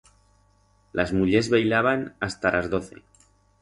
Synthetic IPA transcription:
lazmuʎe̞zβejlaβ̞anast̪alʔazðo̞θe̞̰

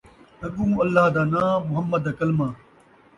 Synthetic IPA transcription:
ɐɡũːɐlːaːɦd̪aːnãːmʊɦɐmːɐd̪ɐkɐlmãː

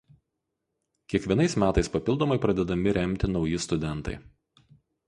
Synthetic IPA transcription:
kʲiɛkʋʲiɛnɐɪsmʲæːt̪ɐɪspɐpʲɪlˠd̪oɔmɐɪpɾɐd̪ʲɛd̪ɐmʲɪɾʲɛmʲt̪ʲɪnɒʊjɪst̪ʊd̪ʲɛnˑt̪ɐ̰ɪ

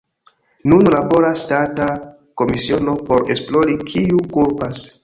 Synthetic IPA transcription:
nunlabo̞ɾastata | ko̞misio̞no̞po̞ɾe̞splo̞ɾikʰiukupas

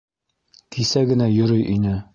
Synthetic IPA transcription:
k̪ʰisæɡɘ̆næjɵ̆ɾɵjʔinɘ

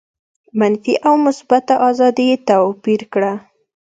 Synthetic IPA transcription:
manfiʔawmʊsbat̪aʔɑzɑd̪it̪ɑpiɾkɽa

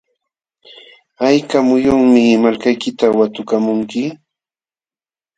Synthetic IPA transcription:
ajkamʊjʊŋmɪmalkajkɪt̪awat̪ʊkamʊŋkɪ

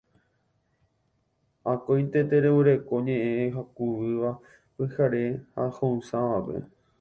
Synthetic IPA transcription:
akojnt̪et̪eɾeβuɾe̞ko̞ɲẽʔẽɦakuʋɨʋa | kehaɾe̞hahõũsãʋape̞̰

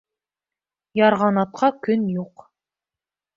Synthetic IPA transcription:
jɑɾʁɑnɑt̪̚qʰɑkɵnjuq

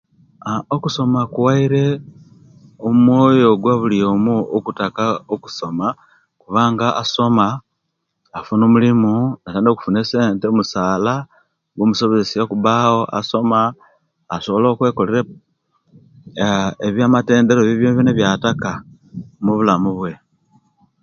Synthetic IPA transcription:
okuso̞makuwaiɾe̞ | omwo̞ːjo̞ɡwaβulijo̞muokutakaoku̥so̞ma | kuβaːŋɡaaso̞maː | funomulimunataːndioku̥funese̞ːntemusaːla | ɡomuso̞βezesijakuβaho̞ʔa̰so̞maː | so̞βolokwe̞ːko̞leɾe | eβjamate̞ːnde̞ɾoβiβjoneβjineβjataka | muβulamuβwe̞

